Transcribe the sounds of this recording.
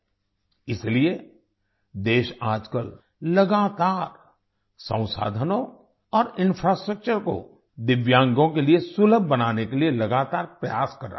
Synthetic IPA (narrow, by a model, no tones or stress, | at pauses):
ɪslie | d̪eːʃaːd͡ʒkəl | lɐɡaːt̪aːɾ | sə̰̃w̃sa̰ːd̪ʱənõ | ɔːɾɪ̃nfʰɾaːsʈɾək̚t͡ʃəɾko̰ | d̪ɪʋjãːŋɡõkeliesʊləbʱːbɐnaːnekelielɐɡaːt̪aːɾpɾɐja̰ːskɐɾːa̰